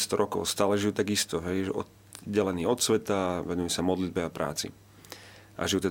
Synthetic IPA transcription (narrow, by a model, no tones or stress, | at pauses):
st̪ɔɾʔɔkɔ̰ʊst̪aːlɛʒijut̪aɡist̪ɔɦɛjʒɛɔ | ɟɛlɛniːɔt̪sʋɛt̪aʋɛnujusamɔd̪lid̪̚bɛapɾa̰ːt͡sḭ | ʔa̰ʒijut̪ɛ